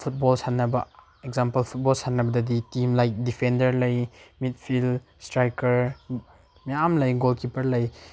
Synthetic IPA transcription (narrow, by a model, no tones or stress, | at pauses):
pʰut̚bolsatnːɐbɐ | ekzampɐlpʰut̚bɔlsatnɐbɐdɐditimlajk̚dipʰendɐɾlɐjmit̚pʰil | stɾajkɐɾ | mejamlɐjɡolkipɐɾlɐj